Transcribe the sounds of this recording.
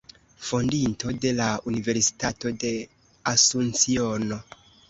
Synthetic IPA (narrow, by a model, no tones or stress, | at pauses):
fo̞ndinto̞de̞launive̞ɾsi̥tato̞de̞ | asunt͡sio̞no̞